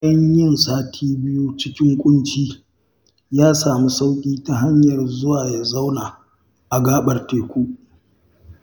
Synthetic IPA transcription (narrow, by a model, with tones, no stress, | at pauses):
jɐ˦ɲjɪ˦˨nsaː˦tʰiː˦bɪ˦ju˦t͡ʃɪ˦kʲɪ˦ŋkʷʼʊ˦nt͡ʃiː˦ | jaː˦saː˨mi˦sa˦wkʲʼiː˦ta˨ɦa˦ɲjɐ˨rzʊ˦waː˨ja˨za˦wnaː˨ | ʔa˨ɡaː˦ɓɐ˨rteː˨kʷu˦ʔ